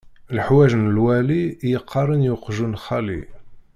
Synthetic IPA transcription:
lħwæʒnəlwælijəqʰːɑɾˤənjʊqʒunxælḭ

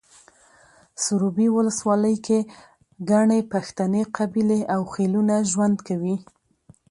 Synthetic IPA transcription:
sʊɾubiwʊləswɑləjkʰe | ɡaɳepaxt̪aneqabileʔawxelunaʒwand̪kawi

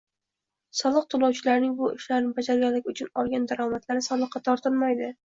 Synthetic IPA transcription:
sɒlˠɨq̚t̪ʰʊlˠɒwt͡ʃʰɪlaɾnɪŋbʊʔɪʃlaɾnɪbad͡ʒaɾɡʲalːɪkʲʊt͡ʃʰʊnɒlˠɡʲand̪aɾɒmat̪ʰlaɾɪsɒlˠɨqːɑt̪ʰɒɾt̪ʰɪlˠmajd̪ɪ

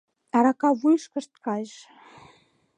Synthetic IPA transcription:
ɑɾɑkɑβujʃkə̆ʃt̪kɑjʃ

